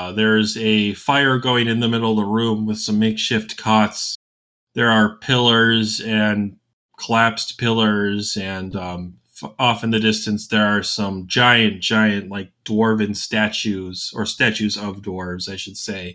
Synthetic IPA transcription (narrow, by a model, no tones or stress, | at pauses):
ðə˞ɨzɨfaɪə˞ɡoʊɪ̃ŋɨ̃nðɨmɪɾl̩ˠʌðəɹʉ̃mwɨð̥sʌ̃mːeɪkʃɪftkʰɑts | ðə˞ːpʰɪlˠə˞zɨ̃n | kʰəlæpspʰɪlˠə˞zɨ̃nʌ̃m | fɔfɨ̃nðɨdɪstɨ̃nsðə˞ːsʌ̃md͡ʒaɪɨ̃n̚d̥ʒ̥aɪɨ̃nʔlaɪk̚d̥wɔɹvɨ̃nstæt͡ʃʉz̥ə˞stæt͡ʃʉzʌvdwɔɹvz̥aɪʃɨd̥seɪ